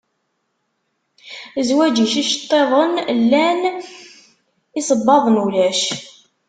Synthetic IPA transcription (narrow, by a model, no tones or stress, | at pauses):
zwæd͡ʒiʃiʃə̥t̪ˤːeðˤənlːæn | isˤəbːɑðˤənulæʃ